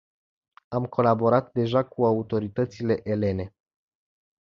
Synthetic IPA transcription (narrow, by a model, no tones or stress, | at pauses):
amkʰo̞labo̞ɾat̪d̪e̞ʒakuaut̪o̞ɾit̪ət̪sile̞ʔele̞ne̞